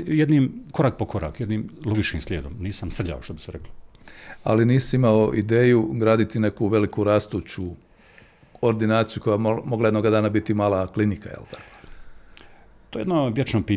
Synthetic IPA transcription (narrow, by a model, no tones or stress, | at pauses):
jed̪niːmko̞ɾaːk̚pokʰo̞ɾa̰ːkjed̪niːmloɡit͡ʃkiːmslʲeːd̪o̰mniːsamsr̩ʎa̰oʃt̪obi̥seɾeklo | a̰liniːsiimaoʔid̪eːjuɡɾaːd̪it̪ine̞kuʋe̞likuɾaːst̪ut͡ɕu | oɾd̪inaːt̪sijuko̞jaomoɡlˠajed̪noɡad̪aːnabit̪imaːlˠaklinikajḛlt̪ako | t̪ojed̪noʋjet͡ʃnopiː